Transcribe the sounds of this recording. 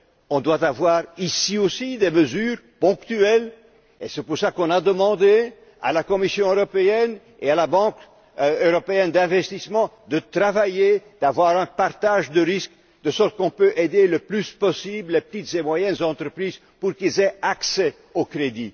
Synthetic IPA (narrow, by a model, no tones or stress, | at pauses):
ɔ̃d̪wat̪avwaːʁisiosid̪eməzyːʁpɔ̃kt̪yɛl | esɛpuʁsakɔ̃nad̪əmɑ̃d̪e | a̰lakɔmisjɔ̃øʁɔpeɛn | ealabɑ̃k | øʁɔpeɛnd̪ɛ̃vɛst̪ismɑ̃ | d̪ət̪ʁavajed̪̥avwaʁɛ̃paʁt̪aʒd̪əʁisk | d̪əsɔʁt̪̚kɔ̃pøʔed̪eləplyspɔsibllepə̥t̪it̪z̥emwajɛnzɑ̃t̪ʁəpχiːz | puʁkilzeaksɛ | okʁed̪i